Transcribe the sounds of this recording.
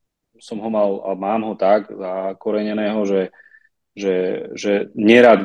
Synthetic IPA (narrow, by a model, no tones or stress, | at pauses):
sɔmɦɔmala̰maːmɦɔt̪aɡzakɔɾɛɲɛnɛːɦɔʒɛ | ʒɛʒɛɲɛɾaːd̪